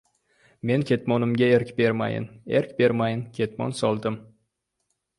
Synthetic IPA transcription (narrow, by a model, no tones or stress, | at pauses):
me̞nkʲʰe̞t̪mɒnɪmɡʲaeɾkʲbe̞ɾma̰jɪ̰neɾkʲbe̞ɾmajɪnkʲʰe̞t̪mɒ̰nsɒlˠd̪ɪm